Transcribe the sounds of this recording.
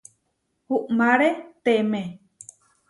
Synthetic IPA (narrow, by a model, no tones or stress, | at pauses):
huʔmaɾet̪eme